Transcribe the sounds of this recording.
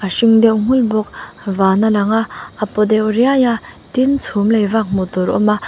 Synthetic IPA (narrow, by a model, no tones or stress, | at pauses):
kaʃiŋd̪ewŋ̥ulbɔk̚ | vanalaŋaːpod̪eoɾiajat̪int͡sʰumlejvak̚mot̪oɾɔ̰ma